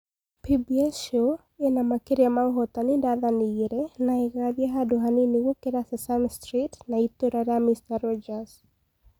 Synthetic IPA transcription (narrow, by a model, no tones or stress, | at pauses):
pibiɛso | ɛnamakeɾjamaŋɦɔt̪anindaðaniiɾɛnaɛɣaðjaɦadɔɦaniniɣɔkeɾasasanstɾitnait̪oɾaɾamistarɔd͡ʒas